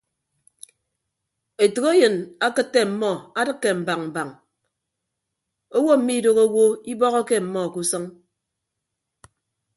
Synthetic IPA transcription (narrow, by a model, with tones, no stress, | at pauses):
e˨to˨ɣe˦jɨ˨na˦kɨ˦tːe˦m̩˨mɔ˦a˦dɨ˦kːe˨m̩˨ba˨ŋm̩˨ba˨ŋ | o˦wo˦m̩˨˦mi˦do˨ɣo˦wo˦i˦bɔ˦ɣɔ˦ke˦m̩˨mɔ˦˨ku˦sɔ˦ŋ